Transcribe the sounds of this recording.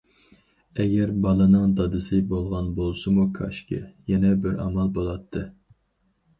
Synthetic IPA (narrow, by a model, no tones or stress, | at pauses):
ɛɡʲɛɾbɑlˠɨnɨŋd̪ɑd̪ɨsɨbolˠʁɑnbolˠsɨmukʰɑ̰ʃkʲʰɪ̰jɛnɛbɪɾɑ̰mɑlˠbolˠɑt̪ʰːɨ